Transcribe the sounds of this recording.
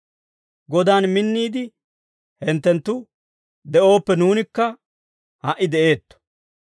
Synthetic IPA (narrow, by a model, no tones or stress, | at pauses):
ɡɔd̪aːnmɪnːiːd̪ɪ | hɛnt̪ːɛnt̪ːʊ | d̪ɛʔo̞ːpːɛnuːnɪkːɐ | hɐʔɪd̪ɛʔe̞ːt̪ːɔ̥